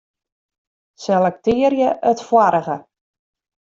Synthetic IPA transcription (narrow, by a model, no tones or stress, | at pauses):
sɛlɛk̚tɪərjəʔətfwaɾəɣə